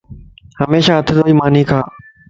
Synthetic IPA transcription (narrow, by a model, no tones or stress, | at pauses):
həmeːʃaːɐt̪ʰɪd̪oːiːmaːn̤iːkʰaː